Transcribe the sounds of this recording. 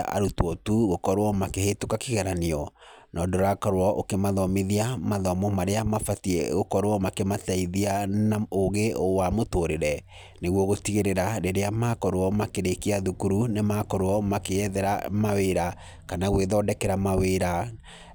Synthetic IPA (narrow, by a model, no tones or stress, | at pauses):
ʔa̰ɾutwɔtuɣokɔɾwɔmakehetukakeɣɛɾaniɔnʔɔdoɾakɔɾoɾɔʔokemaðɔmeðiamaðɔmɔmaɾeamafatiɛ̰ɣokɔɾwɔmakemataiðianaoɣeowamotoːɾeɾɛ | neɣwɔɣotiɣeɾeɾaɾeɾeamakɔɾwɔmakeɾekiaðukuɾunemakɔɾwɔmakeɛðɛɾa̰maweɾa | kanaɣweðɔːdɛkɛɾamaweɾa